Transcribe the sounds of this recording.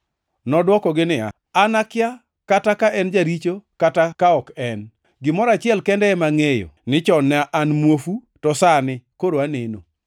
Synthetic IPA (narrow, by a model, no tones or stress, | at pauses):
nɔdwɔkɔɡɪnɪa̰ | anakɪja | katakaʔɛnd͡ʒaɾit͡ʃokatakaɔkɛn | ɡɪmɔɾat͡ʃɪɛlkɛndɛɛmaŋejo̰nɪt͡ʃɔnaʔanmwofu | tɔsanɪkoɾoaneno̰